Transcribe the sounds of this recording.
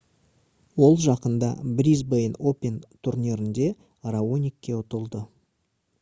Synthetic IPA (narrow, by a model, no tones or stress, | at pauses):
wo̞lˠʒɑqənd̪ɑ̰bɾʲizbejno̞pʲe̞nt̪ʰuɾnʲiɾɪnd̪e̞ | raonʲikʲːe̞ʊt̪əlˠd̪ə